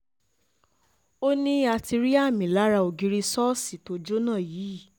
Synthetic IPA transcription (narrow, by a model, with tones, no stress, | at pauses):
o˦nĩ˦a˧ti˧ɾi˦a˦˨mĩ˨la˨˦ɾa˧o˨˧ɡi˧ɾi˧sɔ˦si˨to˧˦d͡ʒo˦nãː˦˨jiː˨˦˨